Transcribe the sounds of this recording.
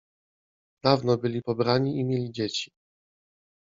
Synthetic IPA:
d̪avnɔbɘlʲipɔbɾaɲiʔimʲjelʲid͡ʑet͡ɕi̥

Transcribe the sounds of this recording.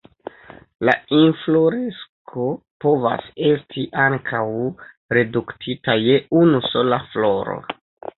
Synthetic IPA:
la̰inflo̞ɾeskʰo̞ | po̞va̰se̞stʰiʔaŋkʰaw | ɾe̞duktʰitaje̞unuso̞laflo̞ɾo̞̰

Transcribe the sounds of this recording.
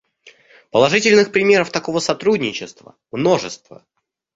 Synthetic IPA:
pəlˠɐʐɨtʲɪlʲnɨxpɾʲɪmʲe̞ɾəft̪ɐko̞vəsɐt̪ɾudʲnʲɪt͡ɕɪst̪və̰mno̞ʐɨst̪və̰

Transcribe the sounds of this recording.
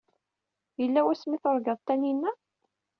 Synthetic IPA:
jəlːæwæsmiθəɾˤɡɑðˤt̪ːæninːæ

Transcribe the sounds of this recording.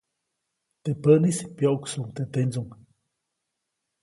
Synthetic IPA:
t̪epəʔnisipjoʔuksuŋt̪et̪end͡zuŋ

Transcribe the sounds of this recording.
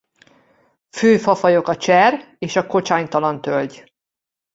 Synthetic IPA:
føːfɒfɒjo̞kɒt͡ʃɛr | eːʃɒko̞t͡ʃaːɲt̪ɒlɒnt̪ølɟ

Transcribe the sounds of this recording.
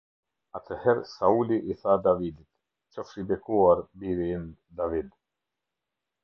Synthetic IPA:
at̪ʰəhɛɾsauliʔiθad̪avid̪it̪ | t͡ʃɔfɾibɛkuaɾbiɾin | d̪avid̪

